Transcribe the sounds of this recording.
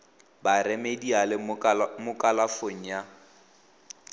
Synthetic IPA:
baremedialɪmʊkʼalafoŋ̩ja

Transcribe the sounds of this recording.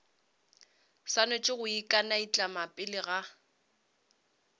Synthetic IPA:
sanʊt͡ʃʼɪɣʊikʼanait͡ɬʼamapʼɪlɪɣa

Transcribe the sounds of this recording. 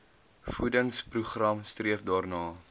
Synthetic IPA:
fudəŋspruχrɐmstriəfdɑːrnɑː

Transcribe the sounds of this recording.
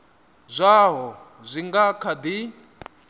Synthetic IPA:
zʷaɦɔ | zʷiŋɡakʰad̪i

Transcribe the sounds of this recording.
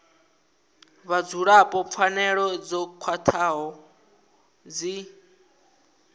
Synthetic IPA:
βad͡zuɺapʼɔp̪fʰanɛɺɔd͡zɔkʰwatʰaɦɔ | d͡zi

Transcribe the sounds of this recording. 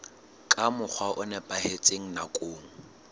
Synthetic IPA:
kʼamʊk͡xʰwaʔʊnɛpʼahet͡sʼeŋ̩nakʼoːŋ̩

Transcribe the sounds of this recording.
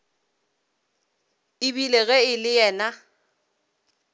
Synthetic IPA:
ɪbileɣɛɪlɪjɛːna

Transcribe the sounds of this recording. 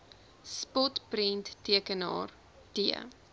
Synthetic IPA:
spɔtprintːiəkənɑ̰ːr | tiə̰

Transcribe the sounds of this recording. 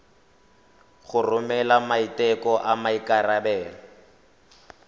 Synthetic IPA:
ɣʊrʊmɛlamaitɛkɔʔamaikarabɛːlɔ

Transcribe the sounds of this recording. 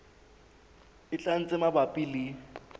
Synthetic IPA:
ɪt͡ɬʼan̩t͡sʼɪmabapʼili

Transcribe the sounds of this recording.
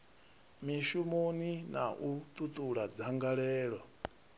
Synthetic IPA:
miʃumonina̰ʔut̪ʼut̪ʼuɺad͡zaŋɡaɺɛːɺɔ

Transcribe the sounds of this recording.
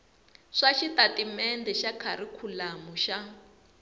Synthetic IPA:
ʂaʃitatimɛndɛʃakʰaɾikʰulamuʃa

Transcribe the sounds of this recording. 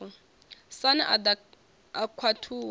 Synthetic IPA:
ɔ | sanaʔada | akʰwatʰuːw

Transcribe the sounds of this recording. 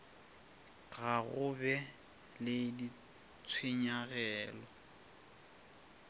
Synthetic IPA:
ɣaɣʊbɛ | lɪdi | t͡sʰweɲaɣɛːlɔ

